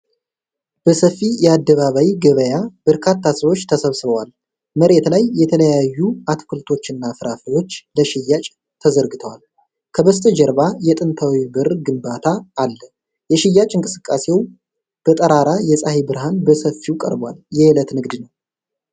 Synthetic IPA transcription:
b̥əsəfːijɛad̪ːəβaβawiɡəβəjab̥əɾkʰat̪ʰːasəβo̞t͡ʃːt̪ʰəsəβsɨβəwal | məɾe̞t̪lajːɛt̪ʰələjajːuat̪ʰkʰɨlt̪ʰo̞t͡ʃːɨnːafɨɾafəjo̞t͡ʃːləʃɪjːat͡ʃʼ | t̪ʰəzəɾɡɨt̪ʰəwal | kʰəbəst̪ʰəd͡ʒɛɾbajɛt̪ʼɨnt̪ʰawibɨrɡɨmbat̪ʰaːlːə | jɛʃɪjːat͡ʃʼɨŋkʼɨsɨkʼːase̞w | b̥ət̪ʼəɾaɾajɛsʼahibɨɾɦanbəsəfːiwkʼə̰ɾbwa̰ljɛhɪlət̪nɨɡd̪nəw

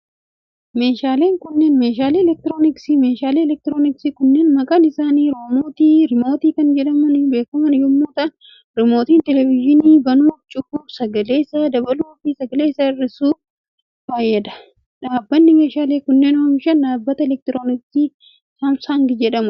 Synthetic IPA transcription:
me̞ːʃaːle̞ːŋkʊnːeːnme̞ːʃaːleːɛlɛk̚t̪ɪɾo̞ːnɪksimeːʃaːleːɛlɛk̚t̪ɪɾo̞ːnɪksiːkʊnːeːnmɐkʼɐnɪsaːniːɾomoːt̪iːɾɪmo̞ːt̪iːkɐnd͡ʒɛᶑɐmʊnbe̞ːkʊmɐnjɔmːuːt̪ɐn | ɾɪmo̞ːt̪iːnt̪ɛlɛvɪʒɪniːbɐnuːft͡ʃʼʊbuːfsɐɡɐle̞ːsɐd̪ɐbɐluːfisɐɡɐle̞ːsːɐɪrːɪsuː | faːjːɛd̪ɐ̥ | ᶑaːbːɐnːɪme̞ːʃaːle̞ːkʊnːeːnoːmɪʃɐnᶑaːbːɐt̪ɐɛlɛk̚t̪ɪɾo̞ːnɪksiː | hɐmsaŋɡɪd͡ʒɛᶑɐmʊ

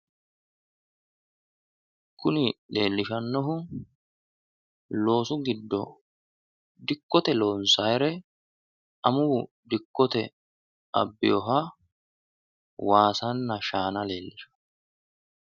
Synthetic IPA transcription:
kʰːʊnɪle̞ːlːɪʃɐnːɔɦʊ | lo̞ːsʊɡɪd̪ːɔ | d̪ɪkːɔt̪ɛloːnsɐːjɾɛ | ɐmʊː | d̪ɪkːɔt̪ɛ | ʔɐ̰bːɪjɔɦa | waːsɐnːɐʃaːnɐle̞ːlːɪʃɐ̥

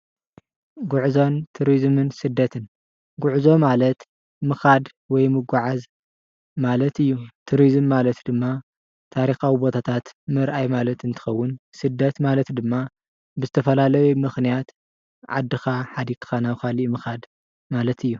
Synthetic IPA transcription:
ɡʊʕzo̞nt̪ʰuɾizmɨnsɨd̪ːɐt̪ʰɨn | ɡʷuʕzo̞malɐt̪ | mɨxad̪ | wɔjmɨɡʷaʕaz | malɐt̪ɨjːut̪ʰuɾizɨmːalɐt̪d̪ɨmːa | t̪ʰaɾixawibo̞t̪ʰat̪ʰat̪mɨɾʔajmalɐt̪ʰɨnt̪ʰɨ̥xɐwːʊnsɨd̪ːɐt̪malɐt̪d̪ɨmːa | bɨzɨt̪ʰɐfɐlalɐjumɨxnijat̪ | ʕa̰d̪ːɨxaħad̪ikʰɨ̥xanaβkalimɨxad̪ | malɐt̪ʰɨjːu

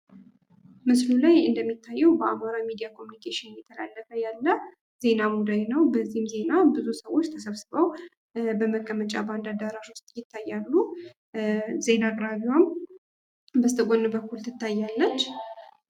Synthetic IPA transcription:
mɨslulajɨnd̪əmːit̪ʰːajːɛwbəamaɾamid̪ijakʰomjunikʰeʃɪnjɛt̪ʰəla̰lːəfəjalːə | ze̞namud̪ajnəwbəzːihmze̞nabɨzusəwo̞t͡ʃːt̪ʰəsəβsɨβəw | bəməkʼːəmət͡ʃʼaband̪ad̪əɾaʃwʊst̪ʼjɪt̪ʰːajːalːu | ze̞nakʼɾaβiwam | bəst̪ʰəɡʷo̞nːɨbəkːult̪ʰɨt̪ʰːajːalːət͡ʃː

